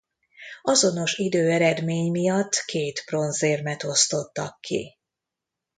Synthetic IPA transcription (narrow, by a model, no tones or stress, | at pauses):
ɒzo̞no̞ʃid̪øːɛɾɛd̪meːɲmijɒt̪ːkeːt̪pro̞nzeːrmɛt̪o̞st̪o̞t̪ːɒkːḭ